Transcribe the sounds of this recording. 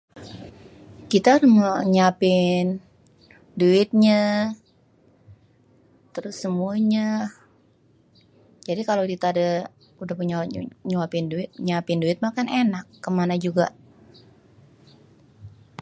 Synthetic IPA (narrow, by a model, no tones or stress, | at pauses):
kit̪aɾməɲapɪn | duɪt̪̚ɲa | t̪əɾʊsːəmuaɲa | d͡ʒadikalodit̪aada | udahpəɲaɲuapɪnduɪt̪̚ɲapɪnduɪt̪̚makanenakːəmanad͡ʒuɡaʔ